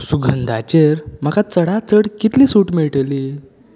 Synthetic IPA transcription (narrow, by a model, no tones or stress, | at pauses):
suɡʱənd̪ʱat͡ɕeɾm̤əkat͡səɽat͡səɽkit̪liːsuːʈmiɭʈliː